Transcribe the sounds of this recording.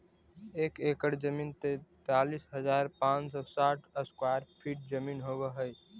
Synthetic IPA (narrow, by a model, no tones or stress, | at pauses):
eːkekəɾd͡ʒəmiːnt̪t̪alisɦəzaːɾpãːt͡ʃsɔsaʈʰəskwaɾpʰiʈ̚d͡ʒəmiːnɦobeɦəj